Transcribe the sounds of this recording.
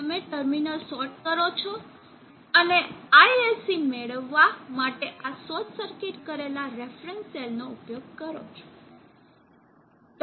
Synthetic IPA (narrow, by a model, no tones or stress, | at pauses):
t̪əmeʈəɾminəlsɔɾʈ̚kəɾot͡ʃʰɔ | əneajesimeɭəʋːamaʈeʔasɔtsəɾkeʈkəɾelaɾefɾənsselnoupjoɡ̚kəɾo̰t͡ʃʰo̥ | t̪